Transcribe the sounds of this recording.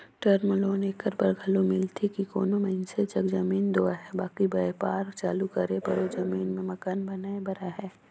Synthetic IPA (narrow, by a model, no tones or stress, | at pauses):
ʈəɾməloːneːkəɾpɐɾɡʱɐlomɪlt̪ʰekiko̰ːnomɛɪnset͡ʃɐkd͡ʒɐmiːnd̪oːaɦɛbaːkibɐepaːɾt͡ʃa̰ːlukɐɾepɐ̰ɾod͡ʒɐmiːnmẽmɐkaːnbɐnaːebɐɾaɦɛː